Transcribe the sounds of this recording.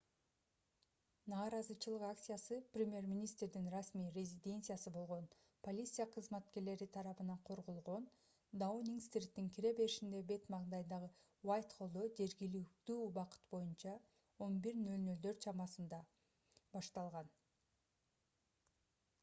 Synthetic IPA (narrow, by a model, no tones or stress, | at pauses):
nɑːɾɑzɯt͡ʃʰɯlˠɯqak̚t̪sɨjasɯprʲɪmʲje̞ɾmʲinʲist̪rd̪inrasmiːjrʲezʲid̪ʲe̞nt̪sɨjasɯbo̞lˠʁo̞n | pʰo̞lʲit̪sɨjaqʰɯzmɑt̪ke̞ɾle̞ɾit̪ʰɑɾɑβɯnɑɴqʰo̞ɾʁolˠʁo̞n | d̪aonʲiŋkst̪ɾit̪ːiŋkʲʰiɾe̞be̞ɾiʃind̪e̞be̞t̪mɑʁd̪ɑjnd̪ɑʁɯ | wajʲt̪χʰo̞lˠd̪o̞d͡ʒe̞ɾɡilik̚t̪yːbɑqɯ̥t̪bo̞junt͡ʃɑ | o̞nbiɾnølnøld̪ø̞ɾt͡ʃʰɑmɑsɯnd̪ɑ | bɑʃt̪ɑlˠʁɑn